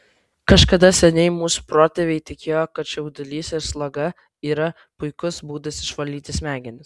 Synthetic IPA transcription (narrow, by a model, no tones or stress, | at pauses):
kɐʃkɐd̪ɐsʲɛnʲɛɪmuːsu̥pɾoːt̪ʲeʋʲɛɪt̪ʲɪkʲeːjoːkɐt̪ʃʲɛʊd̪ʲɪlʲiːsʲɪɾslˠɐɡɐ | iːɾɐ | pʊɪkʊsbuːd̪ɐsʲɪʃʋɐlʲːiːt̪ʲɪsʲmʲæːɡʲɪnʲɪs